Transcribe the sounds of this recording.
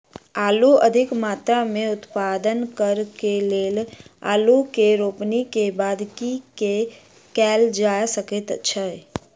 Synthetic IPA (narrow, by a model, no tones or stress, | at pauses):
aːluɐd̪ʱɪkmaːt̪ɾamẽʊt̪paːd̪ənkəɾkeleːla̰ːlukeɾoːpnikebaːd̪kike | kɛːld͡ʒaːjsəkət̪ə̰tːʃʰaɦɛ